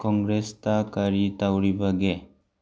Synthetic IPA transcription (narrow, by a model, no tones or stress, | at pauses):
kɔŋɡɾest̪akaɾit̪awɽibaɡe